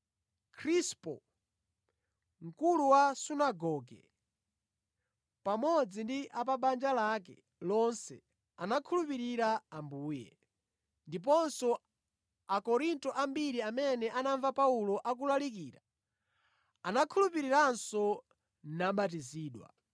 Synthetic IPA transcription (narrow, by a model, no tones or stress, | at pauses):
kʰɾispɔ | ŋ̩kuluwasunaɡɔɡɛ̰ | pamɔd͡zindiʔapaɓand͡ʒalak̬ɛ̰ | lɔnsɛ̰ | anakʰulupiɾiɾaambuːjɛ̰ | ndip̬ɔnsɔ | akɔɾintɔʔambiɾiamɛnɛʔanaɱvapaulɔʔak̬ulalik̬iːɾa̰ | anakʰulupiɾiɾansɔ | naɓat̬iziːɗwa̰